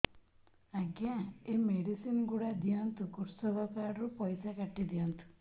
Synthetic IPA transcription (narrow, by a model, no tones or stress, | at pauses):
aɡjãemeɽisinɡuɽad̪ijant̪ukuɾsɔbɔkaɾɾupɔjsakaʈːid̪ijɔnt̪ʰu̥